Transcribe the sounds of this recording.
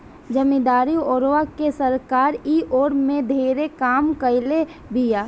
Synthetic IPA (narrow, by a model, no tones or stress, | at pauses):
d͡ʒəmid̪aːɾioːɾʋakesɐɾkaːɾiʔoːɾmẽd̪ʱeːɾekaːmkəɪle | bijaː